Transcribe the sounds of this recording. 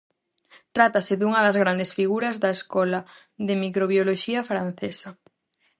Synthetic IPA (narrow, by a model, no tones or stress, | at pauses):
t̪ɾat̪asɪðuŋɐðɐzɣɾand̪esfiɣuɾɐzðɐeskɔla | ðɪmikɾoβjoloʃiɐfɾan̟θesɐ